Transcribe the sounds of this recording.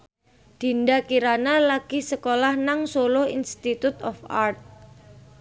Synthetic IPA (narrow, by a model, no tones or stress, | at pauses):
d̪̥i̤nd̪akiɾanalaɡ̥i̤səkolahnaŋsolʊhḭnst̪it̪ut̪ɔfa̰rt̪̚